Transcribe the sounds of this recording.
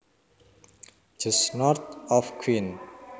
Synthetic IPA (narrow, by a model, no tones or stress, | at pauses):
d͡ʒ̥əsnɔrt̪̚ɔfkʰwin